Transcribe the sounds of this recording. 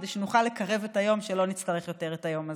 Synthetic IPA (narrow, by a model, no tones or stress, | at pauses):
deʃenuχalːekaʁe̞vetajo̞mʃelo̞nit͡stɐʁeχjo̞te̞ʁetajo̞ma